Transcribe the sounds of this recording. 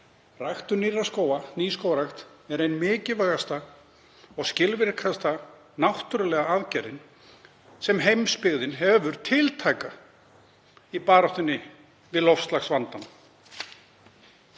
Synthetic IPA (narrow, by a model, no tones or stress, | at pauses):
rajxt̪ʏɾnirːaskoːwaniːskoːwaɾajxt̪ | ɛɾejnmɪːcɪvaɣast̪a | ɔɣscɪlvɪɾkʰast̪a | nawht̪ʏɾalɛɣaaðcɛɾɪn | sɛmɦejmspɪɣðɪnɦɛvʏɾ̥t̪ʰɪlt̪ʰaːjka | ipaːɾawht̪ɪnːɪ | vɪðlɔfst̪laxsvant̪an